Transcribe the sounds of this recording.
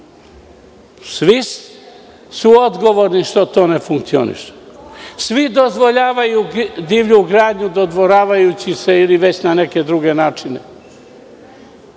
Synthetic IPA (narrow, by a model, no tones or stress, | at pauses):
sʋis | suod̪ɡo̞ʋo̞ɾniʃt̪ot̪o̞ːnefuŋkt̪sio̰nḭʃe̥sʋid̪o̞zʋo̞ʎaːʋajud̪iːʋʎuɡɾaːd̪ɲud̪od̪ʋoɾaːʋajut͡ɕise̞iliʋe̞t͡ɕnane̞ke̞d̪ɾuɡe̞naːt͡ʂinḛ